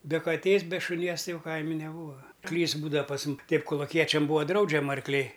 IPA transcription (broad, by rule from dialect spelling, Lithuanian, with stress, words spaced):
bʲɛ kɐˈtʲeːs bʲɛ ʃʊˈnʲiɛs ˈtɐɪ ˈjɛʊ ˈkɐɪmʲɪ nʲɛˈbuːʋɐ ˈklʲiːs ˈbuːdɐ pɐs mʊm ˈtʲɛɪp koːlˠʊˈkʲiɛt͡ʃʲɛm ˈbuːɐ ˈdrɐʊd͡ʒʲɛmɐ ɐrkˈlʲɛɪ